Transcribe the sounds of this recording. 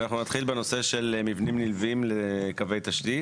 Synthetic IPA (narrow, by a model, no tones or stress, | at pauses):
naχnunat̪χilbeno̞se̞ʃelmivnimnilvimlekave̞jt̪aʃtit